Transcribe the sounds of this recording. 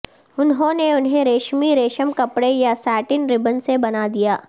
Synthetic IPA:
ʊnɦõneʊnɦẽɾeːʃmiɾeːʃəmkɐpɽejasɛːʈɪnɾɪbənsebɐnad̪ijaː

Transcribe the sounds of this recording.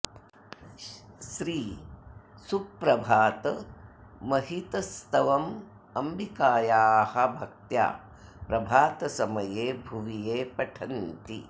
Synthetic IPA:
ʃɾiː | supɾɐbʱaːt̪ɐ | mɐɦit̪ɐst̪ɐʋɐm | ɐmbikaːjaːhɐbʱɐk̚t̪ja̰ː | pɾɐbʱaːt̪ɐsɐmɐjeːbʱuʋijeːpɐʈʰɐnt̪ḭ

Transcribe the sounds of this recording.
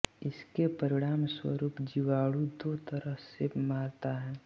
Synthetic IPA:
ɪskepəɾɪɽ̃aːmswə̰ɾuːpd͡ʒiʋaːɽud̪oːt̪əɾəɦsemaːɾt̪aɦɛː

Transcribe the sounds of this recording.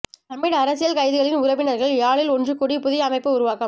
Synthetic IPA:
t̪ɐmːɪɽɐɾɐsɪjɐlkɐɪðɯɣɐɭɪnʊɾɐʋɪnɐɾɣɐɭjaːɭɪlɔndrɯkɔɽipʊðɪjɐɐmɐɪpːɯʊɾʊʋaːkɐ

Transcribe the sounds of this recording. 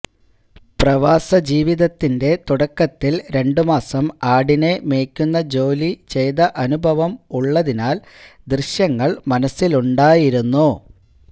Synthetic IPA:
prɐʋaːsɐd͡ʑiːʋiðɐt̪ːinde̞t̪uɽɐkːɐt̪ːilɾe̞ɳɖumaːsɐmaːɽine̞me̞ːkʲːunːɐd͡ʑo̞ːlit͡ɕe̞jðɐʔɐnubʱɐʋɐmuɭːɐðinaːl | d̪rɨɕjɐŋːɐɭmɐnɐsːiluɳɖaːjiɾunːu

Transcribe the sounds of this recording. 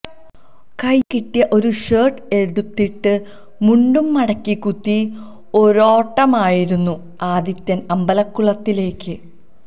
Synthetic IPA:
kɐjkiʈːijɐʔo̞ɾuʂeːʈe̞ɽut̪ːiʈːɨ | muɳɖumːɐɽɐkːikut̪ːi | o̞ɾo̞ːʈːɐmaːjiɾunːu | aːd̪it̪jɐnɐmbɐlɐkːuɭɐt̪ːile̞ːkːɨ

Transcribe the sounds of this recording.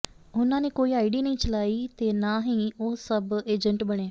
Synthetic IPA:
ʊnãːneːkoːiːaːɪɖiːnəĩːt͡ʃəlaːiːt̪eːnaːɦĩːoːsəbeːd͡ʒəɳʈbəɽ̃eː

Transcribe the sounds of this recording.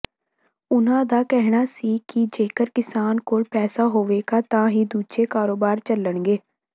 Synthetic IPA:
ʊnãːd̪aːkɛɦɽaːsiːkɪd͡ʒeːkəɾkɪsaːnkoːlpɛːsaːɦoːʋeːɡaːt̪ãːɦiːd̪uːd͡ʒeːkaːɾoːbaːɾt͡ʃələɳɡeː

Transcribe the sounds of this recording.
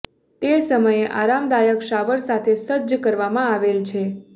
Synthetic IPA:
t̪esəməjeʔa̰ɾamd̪ajəkʃaʋəɾsat̪ʰesəd̪d͡ʒəkəɾʋamãaʋelt͡ʃʰe

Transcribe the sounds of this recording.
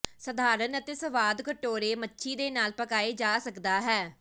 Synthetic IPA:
səd̪ʱaːɾənət̪eːsəʋaːd̪kəʈoːɾeːmətːʃʰiːd̪eːnaːlpəkaːeːd͡ʒaːsəkd̪aːɦɛː

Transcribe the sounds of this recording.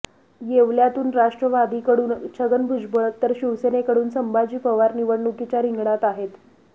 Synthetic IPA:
jeʋljat̪uːnɾaʂʈɾəʋad̪iːkəɽuːnt͡ɕʰəɡənbʱud͡ʑbəɭt̪ːəɾɕiʋsenekəɽuːnsəmbad͡ʑiːpəʋaɾniʋəɽɳukit͡ɕjaɾiŋɡɳat̪aɦet̪

